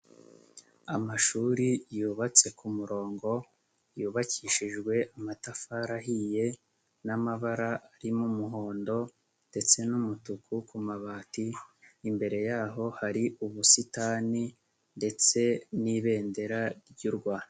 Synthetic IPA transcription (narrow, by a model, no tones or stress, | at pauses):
amaʃuːɾijuːβat͡se̞kumuɾo̞ːŋɡo̞ | juːβakʰiːʃiʒɡwe̞ʔamatafaɾaɦije̞ | namaβaɾaʔaɾimumuɦo̞ːndo̞ | nd̥e̞t͡se̞numutukʰukumaβaːtiːmbe̞ɾe̞jaːɦo̞haɾiʔuβusitaːni | nde̞t͡se̞niβe̞ːnde̞ɾaɾɟuɾɡwaːna